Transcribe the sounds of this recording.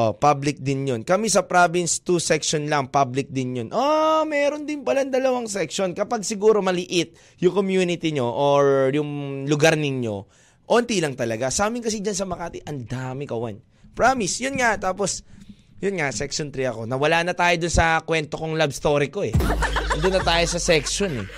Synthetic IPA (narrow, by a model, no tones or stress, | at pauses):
ʔopablɪk̚d̪ɪnjonkɐmisɐpɾabɪnst̪usɛkʃonlɐŋpablɪk̚d̪ɪnjonʔomɛːɾo̞nd̪ɪnpɐlaŋd̪ɐlɐwaŋsɛkʃonkɐpaɡ̚sɪɡuːɾo̞mɐlɪʔɪt̪̚ | jʊŋkomjuːnɪt̪iɲo̞ʔoɹjʊŋlʊɡaɾnɪɲjo̞ | ʔoːnt̪ilɐŋt̪ɐlɐɡasaːmɪnŋkɐs̬id͡ʒɐnsɐmɐkaːt̪ɪʔɐnd̪aːmɪkɐwa̰n | pɹamɪsjʊnŋat̪aːpo̞s | jʊnŋasɛkʃont̪ɾiɐko̞nɐwɐlaːnɐt̪aːjod̪ʊnsɐkwɛnt̪o̞koŋlabst̪o̞ːɾɪko̞ɛnd̪ʊnːɐt̪aːjo̞sɐsɛkʃonɛ̰